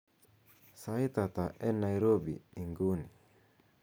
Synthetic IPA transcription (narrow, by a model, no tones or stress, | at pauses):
sait̪at̪aʔɛnaiɾobḭiŋɡuni